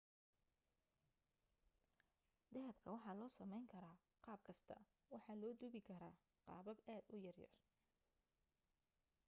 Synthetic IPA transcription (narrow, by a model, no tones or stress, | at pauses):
d̪ɛɦɐbkʰɐwɑħɑːlɔːsɐmɛjŋkʰɐɾaː | qɑːb̚kʰɐst̪ʰɐ̰ | wɑħɑːlɔːd̪ʊβɪkʰɐɾaː | qɑ̰ːbɐbaːd̪ʊjɐrjɐ̰r